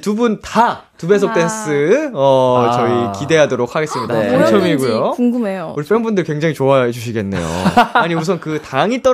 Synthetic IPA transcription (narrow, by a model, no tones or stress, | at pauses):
tubunta | tube̞s̬ʰʌk̚t͈e̞ns͈ʰɯʌt͡ɕʌikide̞ɦadoɾok̚haɡe̞s͈ɯmɲidaont͡ɕʰʌmiɡujouŋɡumeouɾip͈ʰenbundɯɭkwe̞ŋd͡ʑaŋit͡ɕoaed͡ʑuɕ̬ʰiɡe̞nːe̞̰jo̰aɲimusʰʌnkɯtaŋit͈ʌ